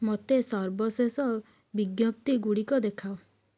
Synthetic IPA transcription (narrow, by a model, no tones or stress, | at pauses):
mot̪esɔɾbɔsesɔ | biɡjɔp̚t̪iɡuɽikɔd̪ekʰao